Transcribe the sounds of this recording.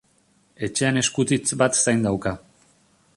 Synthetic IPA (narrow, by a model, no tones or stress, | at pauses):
e̞t͡ʃe̞ane̞skut͡s̪it͡sbat̪sajnd̪awka